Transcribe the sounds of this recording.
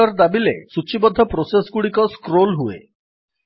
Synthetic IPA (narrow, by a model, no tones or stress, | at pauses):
ɔɾd̪abilḛsut͡ʃibɔd̪ʱːɔpɾosesɡuɽikɔskɾolɦuḛ